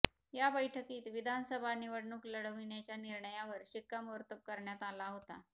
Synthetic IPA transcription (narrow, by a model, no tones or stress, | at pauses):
jabəjʈʰəkiːt̪ʋid̪ʱanəsəbʱaniʋəɽɳuːkləɽ̤ʋiɳjat͡ɕjaniɾɳəjaʋəɾɕikːamuɾt̪əp̚kəɾɳjat̪alaɦot̪a